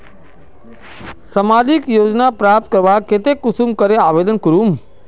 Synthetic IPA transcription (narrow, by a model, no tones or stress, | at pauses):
səmaːd̪ikjoːd͡ʒnapɾaːp̚t̪̚kəɾʋaket̪ekːʊsumkəɾeaːʋeːd̪ənkəɾum